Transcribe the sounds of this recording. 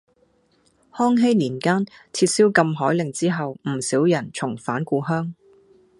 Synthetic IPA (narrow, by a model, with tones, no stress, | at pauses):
hɔː˥ŋɦe˥jliː˨˩nkaː˥nt͡sʰiː˧t̚siː˥wkɐ˧mɦɔː˨˥jlɪ˨˩ŋt͡siː˥ɦɐ˨wm̩˨˩siː˨˥wjɐ˨˩nt͡sʰʊ˨˩ŋfaː˨˥nkuː˧ɦœː˥ŋ